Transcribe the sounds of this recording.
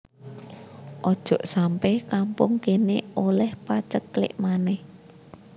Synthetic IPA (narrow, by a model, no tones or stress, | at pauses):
ʔɔd̥ʒ̥ɔ̤ʔsampɛhkampʊŋkeneolɛhpat͡ʃək̚lɪ̰ʔmanɛh